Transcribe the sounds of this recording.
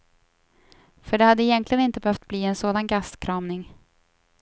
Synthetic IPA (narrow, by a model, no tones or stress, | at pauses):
fœɖɛhad̪ːəɪjɛnklɪɡənɪnt̪əbɛhœft̪̚bliːɛnsoːd̪anɡaskʰɾɑːmnɪŋ